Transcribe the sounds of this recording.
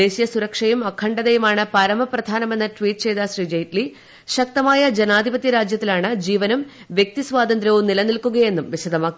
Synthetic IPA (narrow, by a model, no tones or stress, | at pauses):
e̞ːɕijɐsuɾɐkʂɐjumɐkʰːɐɳɖɐðejumaːɳɨpɐɾɐmɐprɐd̪ʱaːnɐme̞nːɐʈʋiːʈɨt͡ɕe̞jd̪ɐsriːd͡ʑejitli | ɕɐk̚t̪ɐmaːjɐd͡ʑe̞naːd̪ʱibɐt̪jɐɾaːd͡ʑjɐt̪ːilaːɳɨd͡ʑiːʋɐnɐm | ʋje̞k̚t̪isʋaːd̪ɐnd̪ɾjɐʋumnilɐnilkuɣɐje̞nːumʋiɕɐd̪ɐmaːkː